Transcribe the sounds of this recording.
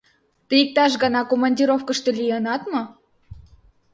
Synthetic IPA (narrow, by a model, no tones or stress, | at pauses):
t̪əik̚t̪ɑʃ̬ɡɑnɑkomɑnʲdʲiɾofkə̆ʃt̪ĕlʲijɤnɑt̪mɤ